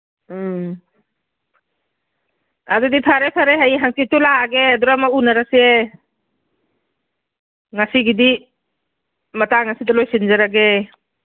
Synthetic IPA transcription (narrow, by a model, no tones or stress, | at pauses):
adudipʰaɾepʰaɾeɦajɦaŋsitulaɡeaduɾamaunaɾasie | ŋasiɡidi | mataŋasidɔlojsinzaɾaɡe